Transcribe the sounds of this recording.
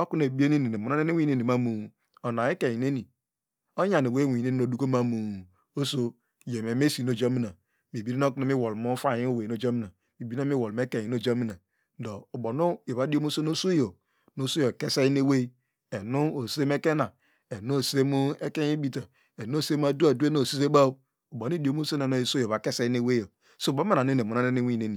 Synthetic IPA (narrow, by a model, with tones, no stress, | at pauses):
o˦ku˦n˨e˨bi˦e˦ne˦ni˨ne˨mu˨o˦e˦ne˦wi˦e˦ni˨ma˦mu˨ | o˨na˨e˦ke˨i˨ne˦ni˨ | o˦ja˨ne˨we˦˨wi˨e˦ni˦o˨du˦ko˦ma˦mu˨ | o˦so˦ | je˨me˨me˦si˨no˨d͡ʒo˦mi˦na˨ | mi˨bi˦ɾi˦no˦ku˦no˦mi˦wo˨lmo˦fa˦˨i˦o˦˨we˨no˦˨d͡ʒo˦mi˦na˨ | mi˨bi˦o˦mi˦wo˨lm˦e˦ke˨i˨no˦˨d͡ʒo˦mi˦na˨ | n̩˦do˨o˨bo˨no˦e˨βa˨˦di˦o˦mo˦so˦no˦so˦jo˨ | no˦so˦jo˨ke˦se˦ne˦we˦ | e˨nu˦o˨se˦me˦ke˦na˨ | e˨no˦o˨se˦mu˦e˦ke˦i˦bi˦ta˨ | e˨n˦˨se˦m˦a˨du˦a˨du˦e˦no˦˨si˦z̬e˦ba˦ | o˨bo˨n˦i˦di˨o˦mo˦se˦ne˨no˦e˨so˦jo˨βa˨ke˦se˦i˦ne˦we˦jo˨ | so˦˨ba˦ma˦na˨ne˦ne˨mu˨na˦e˦ne˦wi˦˨ne˦ni˨